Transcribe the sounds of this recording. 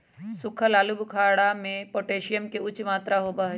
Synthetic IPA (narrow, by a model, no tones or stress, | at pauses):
sʊkʰəlaːlubʱkʰaːɽamẽpoːʈeːʃijəmkeʊt͡ʃmaːt̪ɾaɦoːbaɦ